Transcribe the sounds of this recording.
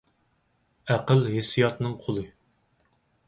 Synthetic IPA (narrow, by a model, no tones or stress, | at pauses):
æqəlɦesijɑt̪nɨŋqʰolˠɨ